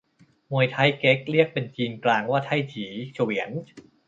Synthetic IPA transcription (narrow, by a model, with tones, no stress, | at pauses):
mu˧əjt̪ʰa˦˥jke˦˥k̚ɾi˥˩ək̚pe˧nt͡ɕiː˧nklaː˧ŋwaː˥˩t̪ʰa˥˩jt͡ɕʰiː˩˦t͡ɕʰo˧˩wi˩˦ən